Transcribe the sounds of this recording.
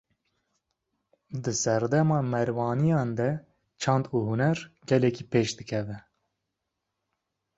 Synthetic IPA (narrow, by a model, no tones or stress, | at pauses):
d̪ɨsɛɾd̪ɛmɑːmɛɾwɑːnijɑːnd̪ɛ | t͡ʃʰɑnd̪uːhunɛɾɡɛlɛkiːpeːʃd̪ɨkʰɛvɛ